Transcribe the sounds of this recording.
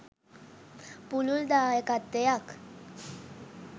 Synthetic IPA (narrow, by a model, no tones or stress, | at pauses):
pululd̪aekat̪ːejak